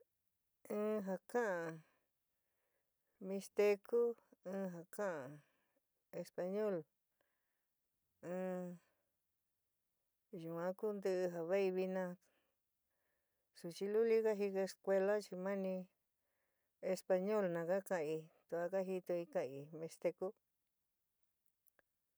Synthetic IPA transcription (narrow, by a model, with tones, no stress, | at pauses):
ɨ̃ː˦ɦa˧kã˦ʔa˨ | mĩ˧st̪e˧kʰu˦ɨ̃ː˧˦ɦa˨kã˦ʔa˨ | e˧spa˧ɲõ˦˨l | ɨ̃ː˧ | ju˨ã˦ku˦nd̪ɨ˦ɨ˧ɦa˨βa˦i˧βi˧nã˧ | su˨t͡ʃi˧lu˦li˦ka˦ɦi˧ke˧e˧skʷe˧la˦t͡ʃi˧mã˦nĩ˧ | e˧spa˧ɲo˦lnã˨ka˦kã˧i˧t̪u˧˨a˧˦ka˦ɦi˧t̪o˧i˧ka˧i˧mĩ˧st̪e˧ku˦